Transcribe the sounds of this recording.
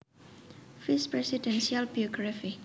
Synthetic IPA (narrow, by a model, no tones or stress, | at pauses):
fispɾɛsidɛnsialbiɔɡɾafi